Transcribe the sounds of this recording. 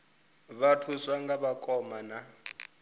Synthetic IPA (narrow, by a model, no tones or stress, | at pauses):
βatʰusaŋɡaβakʼɔmana